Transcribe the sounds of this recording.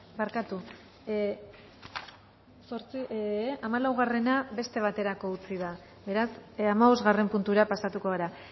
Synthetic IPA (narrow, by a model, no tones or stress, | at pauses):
baɾkat̪u | so̞ɾt͡siamalawɣare̞naβe̞st̪e̞β̞at̪e̞ɾako̞ut͡siða | be̞ɾasamaβo̞zɣare̞mpunt̪uɾapasat̪uko̞ɣeɾa